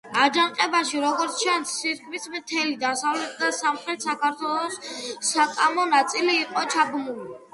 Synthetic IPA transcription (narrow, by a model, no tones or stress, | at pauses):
ad͡ʒanqʼɛbaʃiɾɔɡɔɾt̪ʰt͡ʃʰansːiskʰmismt̪ʰɛlid̪asavlɛt̪ʰd̪asamχɾɛt̪ʰsakaɾt̪ʰwɛlˠɔsːakʼamɔnat̪sʼiliːqʼɔt͡ʃʰabmuli